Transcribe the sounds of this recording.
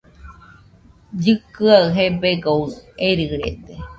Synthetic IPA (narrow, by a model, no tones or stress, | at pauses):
d͡ʒɨkɨaɨɦebeɡoeɾɨɾḛd̪e